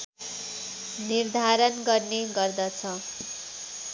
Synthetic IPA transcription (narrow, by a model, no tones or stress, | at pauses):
nird̪ʱaɾʌnɡʌrneɡʌrd̪ʌt͡sʰʌ